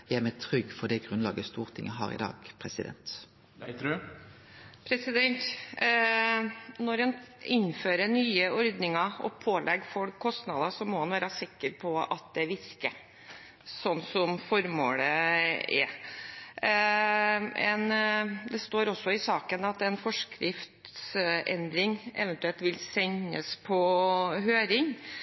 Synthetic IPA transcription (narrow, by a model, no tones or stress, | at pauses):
jææmɛt̪ʰɾʏɡːfɔd̪ɛɡʁʉnlɑːɡəst̪uːʁt̪ʰɪŋːəɦɑ̰ːʁɪ̰d̪ɑ̰ːɡpʰʁɛsɪd̪ɛ̰nt̪ | pʰɾɛsɪd̪ɛnt̪ | nɔɾɛnɪnːføːɾənyːəɔɾd̪nɪŋɑɔ̰pʰoːlʔɛɡfɔlkʰːɔst̪nɑd̪ɑsɔmɔhɑnʋæːɾəsɪkːəɾpʰɔɑt̪̚d̪ɛʋɪskə | sɔnːsɔmfɔɾmo̰ːləɛ̰ | ɛ̰nd̪ɛst̪oːɾɔsːɔɪsɑːkənɑt̪ɛnfɔʂkɾɪft̪sɛ̰nd̪ɾɪŋɛ̰ʋɛənt̪ʉɛlt̪ʋɪlsɛŋːə̰spʰɔɦøːɾɪŋ